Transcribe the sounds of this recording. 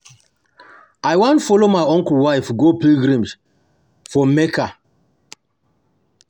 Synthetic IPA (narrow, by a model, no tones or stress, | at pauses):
ajwãntfɔlomaɪɔ̃ŋkl̩waɪfɡopilɡɹãms | fɔmekʰa